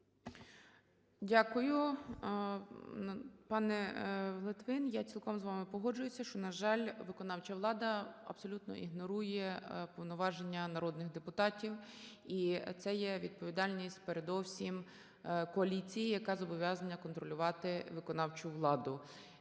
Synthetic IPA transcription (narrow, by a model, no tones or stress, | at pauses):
dʲakʊjʊ | pɑnɛlˠɪt̪ʋɪnjat͡sʲilˠkɔmzʋɑmɪpɔɦɔd͡ʒʊjʊsʲɐʃt͡ʃɔnɐʒɑlʲʋɪkɔnɑwt͡ʃɐʋlˠɑd̪ɐɐ̰b̥sɔlʲut̪nɔ̰ʔiɦnɔɾujɛpɔwnɔʋɑʒenʲːɐnɐɾɔd̪nɪɣd̪epʊt̪ɑtʲiw | it̪sɛjɛʋʲid̪̚pɔʋʲid̪ɑlʲnʲisʲtʲpeɾed̪ɔwsʲim | kɔɐlʲit͡sʲijijɐkɑzɔbɔʋʲjɑzɐnʲːɐkɔnt̪ɾɔlʲʊʋɑt̪ɪʋɪkɔnɑwt͡ʃʊʋlˠɑd̪ʊ